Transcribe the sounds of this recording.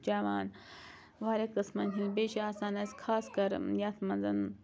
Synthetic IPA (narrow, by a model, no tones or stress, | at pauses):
d͡ʒaːʋaːn | ʋaːɾekɨsmɐnkʰʲinbeːʃiaːsaːnɐsʲkʰaːskɐɾjaːt̪ʰmɐnzɐn